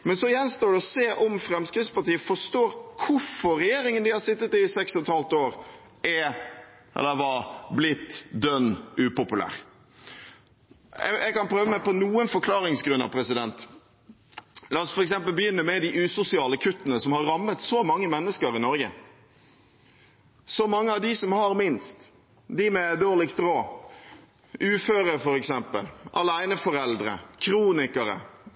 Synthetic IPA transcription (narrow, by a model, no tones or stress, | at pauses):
mɛnsɔɪjɛnst̪oːɖɛɔseːʔɔmfɾɛmskɾɪd̪spɑʈiːəfɔʂt̪oːɾkʰʊɾfɔɾɾɛjeːɾɪŋənd̪ɪhɑɾsɪt̪ːət̪ɪsɛkshɔt̪hɑlt̪oːɾ | ɛ | ɛ̰lːəʋɑblɪt̪ːd̪œnːʉːpʊpʉlæ̰ːɾ | ɛ̰ʔɛ̰ɡkɑnpʰɾøːʋəmæɪpɔnuːənfɔɾkʰlɑːɾɪŋsɡɾʉnːɑ̰ʋpʰɾɛsɪd̪ɛnt̪ | lɑːɔsfɔɾɛksɛmp̬əlbəjʏnːəmɛd̪ɪʔʉːsʊsɪɑːləkʰʉt̪ːənəsɔmhɑɾːɑmːət̪sɔmɑŋːəmɛnːəskəɾɪnɔɾɡə | sɔmɑŋːəɑʋd̪ɪsɔmhɑɾmɪnst̪ | d̪ɪmɛd̪oːʁlɪkst̪ɾoː | ʉːføːɾəfɔɾɛksɛmpə̰lʔɑ̰læɪnəfɔɾɛld̪ɾə̰kʰɾuːnɪkəɾə̰